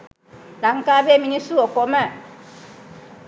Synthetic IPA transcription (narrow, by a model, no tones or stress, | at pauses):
laŋkabeminisuokoma